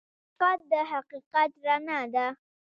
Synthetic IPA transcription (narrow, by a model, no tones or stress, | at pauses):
fat̪̚d̪əɦaqiqat̪ɾanad̪a